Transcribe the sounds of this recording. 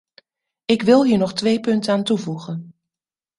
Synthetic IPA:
ɪkʋɪlˠɦiːɹnɔχtʋejpɵntəaːntuvuχən

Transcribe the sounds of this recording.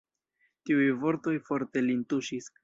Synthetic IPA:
tiujvo̞ɾt̪o̞jfo̞ɾt̪e̞lintuʃis

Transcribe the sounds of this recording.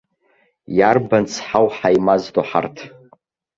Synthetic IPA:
jarbant͡sʰħawħajmazdoħa̰rtʰ

